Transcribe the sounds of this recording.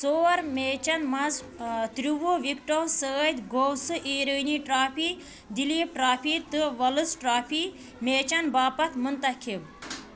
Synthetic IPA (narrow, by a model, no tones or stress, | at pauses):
soːɾmeːt͡ʃɐnmɐz | t̪ɾuʋoʋikʈowsəːt̪ʲɡoːwsɨʔiːɾəːniʈɾaːpi | d̪iliːp̚ʈɾaːpʰit̪ɨʋɐlɨsʈɾaːpʰi | meːt͡ʃɐnbaːpɐt̪ʰmɨnt̪ɐkʰib